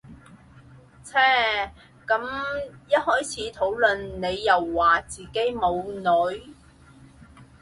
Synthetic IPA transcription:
t͡sʰɛː˥ | kɐ˨˥mjɐ˥t̚hɔː˥jt͡sʰiː˨˥t̪ʰo˨˥wlɵ˨nne˨˧jːɐ˨wːaː˨˩t͡siː˨˩ke˨˥jmo˨˧wnɵ˨˧˥ɥ

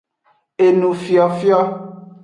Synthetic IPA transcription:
e˨nũ˨fi˨ɔ˨fi˦ɔ˦

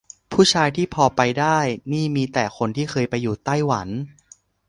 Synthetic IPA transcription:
pʰuː˥˩t͡ɕʰaː˧jt̪ʰiː˥˩pʰɔː˧pa˧jdaː˥˩jniː˥˩miː˧t̪ɛː˨˩kʰo˧nt̪ʰiː˥˩xʰɤː˧jpa˧jːuː˨˩t̪a˥˩jwa˩˦n

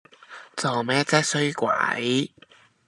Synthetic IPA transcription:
t͡so˨˩wmɛː˥t͡sɛː˥sɵ˥ɥkʷwa̰˨˩˥j

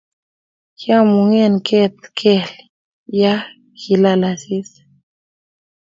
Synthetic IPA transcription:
kja˦mu˨ŋɛ˦˨nkʰɛ˦t̪̚kʰɛ˦˨l | ja˦ | ki˨la˦la˨si˦s

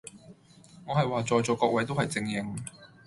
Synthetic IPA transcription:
ŋɔː˨˧hɐ˨jwaː˨˩t͡sɔː˨jt͡sɔː˨˩kɔː˧˥k̚wɐ˨˥jt̪̬o˥whɐ˨jt͡sɪ˧ŋjɪ˨˧ŋ

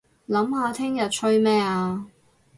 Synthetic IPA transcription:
lɐ˨˥mhaː˨˧t̪ʰɪ˥ŋjɐ˨t̚t͡ʃʰɵ˥ɥmɛː˥aː˧

